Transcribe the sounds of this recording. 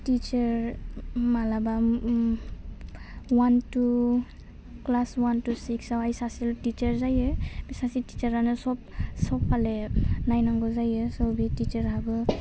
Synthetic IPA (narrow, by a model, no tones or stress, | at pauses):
tit͡ʃeɾ | malaba | wantu | klaswantusiksawajsasiltit͡ʃeɾzajɯbisasitit͡ʃaɾanɯsɔp̚sɔpʰːalenajnaŋɡɔzajɯsɔwbitit͡ʃeɾɦabɯ